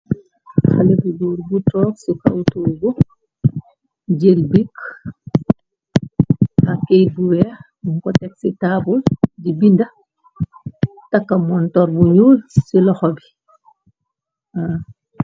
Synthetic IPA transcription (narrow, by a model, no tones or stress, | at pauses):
xalebiɡuːɾbutɔːksika̰wtuːɡɔ | d͡ʒelbik | akejt̚buwɛ | ŋkɔtɛksitabuld͡ʒibinda | takːamɔntɔɾbuɲuːlsilɔxɔbi | a